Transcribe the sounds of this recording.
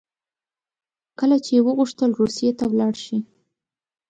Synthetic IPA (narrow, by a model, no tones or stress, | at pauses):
kəlat͡ʃeewəɣuʂt̪əlɾusijet̪awlɑɽʃi